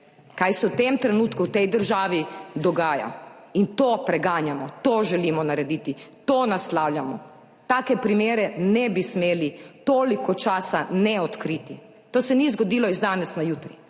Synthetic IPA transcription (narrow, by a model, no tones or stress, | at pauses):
kajsɛwt̪emt̪ɾɛnuːt̪kuwt̪ɛjd̪əɾʒaːʋid̪ɔɡaːja̰int̪oːpɾɛɡaːnjamɔt̪oʒɛlimɔnaɾɛd̪iːt̪it̪oːnaslaːwljamɔ̰ | t̪aːkɛpɾimeːɾɛnɛbismeːlit̪oːlikɔt͡ʃaːsanɛɔt̪kɾiːt̪i | t̪oːsɛnizɡɔd̪iːlɔizd̪aːnɛsnajuːt̪ɾi